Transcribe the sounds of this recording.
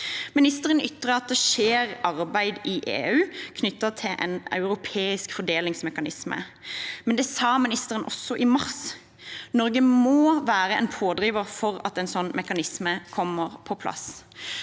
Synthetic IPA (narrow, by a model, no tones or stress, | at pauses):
mɪnɪst̪əʁənʏt̪ʁəɑt̪̚d̪ɛʃeːʁɑʁbæɪd̪ɪʔeːʉːkʰnʏt̪ːɑt̪ʰɪʔɛ̰nɑ̰ʉʁʊpʰeːɪskfɔd̪eːlɪŋsmɛkɑnɪsmə̰mɛnd̪ɛsɑːmɪnɪst̪əʁənʔɔ̰sːɔʔɪmɑʁs | nɔʁɡəmoːʋæːʁəɛ̰npʰoːd̪ʁiːʋəʁfɔʁɑ̰t̪ɛnsɔnːmʔɛkɑnɪsməkʰɔmːəʁpʰɔpʰlʔɑ̰s